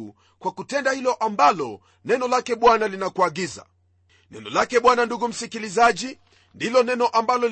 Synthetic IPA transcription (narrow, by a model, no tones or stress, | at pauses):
u | kwakutɛndahilɔʔambalɔ | nɛnɔlakɛɓwanalinakuaɡiza̰ | nɛ̰nɔlakɛɓwananduɡum̩sikilizaʄi | ndilɔnɛnɔʔambalɔl